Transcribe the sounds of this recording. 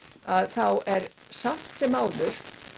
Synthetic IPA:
aðθawɛɾ | sam̥t̪sɛmːaːwlʏɾ̥

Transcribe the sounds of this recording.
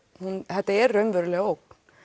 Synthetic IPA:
hunhɛht̪ːaɛɾrːœɥmvʏɾlɛɣaowk

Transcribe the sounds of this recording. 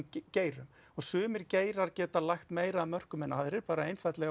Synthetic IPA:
ceːjɾʏm | ɔɣsʏːmɪɾceːjɾaɾ̥cɛːt̪alajxt̪meːjɾaːðmœr̥kʏmɛnaðɾɪɾpaːɾaejnfajt̪lɛɣa

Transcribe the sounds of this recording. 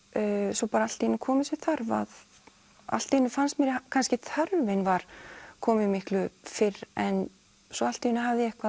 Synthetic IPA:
sɔpaːɾaalt̪inʏkʰɔːmɪsɪθaɾva̰ð | a̰l̥t̪iɪnːʏfanst̪mɛɾɪkʰanscɪt̪ʰœɾvɪnvaɾ̥kʰɔːmɪmɪhklʏfɪrɛn | sɔal̥t̪iɪnːʏɦavðɪɛhkva

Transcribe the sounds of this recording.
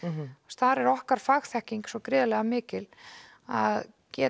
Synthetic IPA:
st̪θaɾɛɾɔhkaɾ̥faɣθɛhciŋksɔkɾɪːðalɛɣamɪːcɪl | að | cɛː

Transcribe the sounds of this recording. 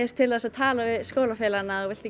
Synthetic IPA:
ɛst̪ʰɪlaðsaðt̪ʰaːlavɪðskoːwlafɛːlanːaɔɣvɪl̥t̪ɪ

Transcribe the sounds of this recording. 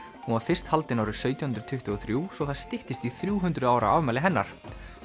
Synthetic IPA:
hũnvaɾ̥fɪr̥st̪halt̪ɪnawɾɪsœːɥt̪jɔhnt̪ɾʏ̥t̪ʰʏht̪ʏɔθɾjuːsɔɣθaðst̪ɪht̪ɪst̪iθɾjuːɦʏnt̪ɾʏðaːwɾa̰avmɛːlɪɦɛnːa̰ɾ̥

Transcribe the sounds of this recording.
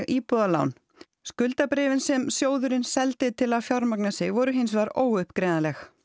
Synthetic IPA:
ɣʔiːpɔðala̰wn | skʏlt̪apɾɪːvɪnsɛmsjoːwðʏɾɪnsɛlt̪ɪt̪ʰɪlaðfjaɾmaknasɪɣvɔɾʏɦɪns̬vaɾoːwʏhpkɾejnalɛx

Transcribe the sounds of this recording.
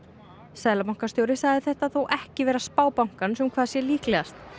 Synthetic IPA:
sɛðlapawŋkast̪jowɾɪsaːɣðɪθɛht̪aðθowʔɛhcɪvɛːɾaspaːwpawŋ̥kansɛmkʰvaːðsjɛliːklɛɣast̪

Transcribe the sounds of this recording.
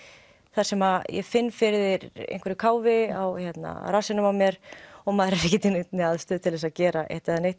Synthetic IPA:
θaɾ̥sɛmajɛ̰fɪnːfɪɾðɪɾḛjnkvɛɾʏkʰaːwvɪawçɛt̪na̰rasɪnʏmawmjɛɾ̥ɔɣmaːðɾaɾɪcɪt̪ʰɪnet̪nɪaðst̪ʏːðt̪ʰɪlvɛsaðcɛːɾaʔɛ̰ht̪ɪaneht̪

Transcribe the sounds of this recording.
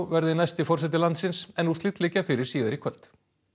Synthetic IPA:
vɛɾðɪnajst̪ɪfɔrsɛt̪̬ɪlant̪sɪnsɛnːust̪ɪt̪lɪːcafɪɾɪɾ̥siːðɪɾikʰvœlt̪

